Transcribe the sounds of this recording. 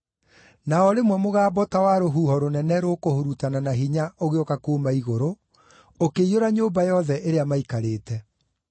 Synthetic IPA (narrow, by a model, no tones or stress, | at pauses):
naɔɾemwɛmoɣaːbɔtawaɾoɦuːhɔɾonɛnɛɾokohoɾutananaɦiɲaoɣeokakoːmaiɣoɾo | okeijoɾaɲoːbajɔðɛʔeɾeamaikaɾeːtɛ